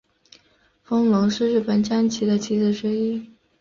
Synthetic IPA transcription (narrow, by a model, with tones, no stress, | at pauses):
fɤ˥ŋlʊ˧˥ŋʂɻ̩˥˧ɻɻ̩˥˩pə˨˩nt͡ɕja˥nt͡ɕʰi˧˥d̪ə˧t͡ɕʰi˧˥zə˧˩ʈ͡ʂɻ̩˧˥i˥˩